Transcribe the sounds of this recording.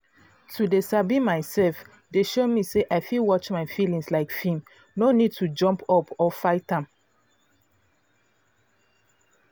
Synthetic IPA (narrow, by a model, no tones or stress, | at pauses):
tʰudesabimaɪsɛlf | deʃomiseʔaɪfilwɔt͡ʃmaɪfilĩŋslaɪkfĩm | nonid̚tʰud͡ʒɔ̃mpʰɔpʰɔfaɪtãm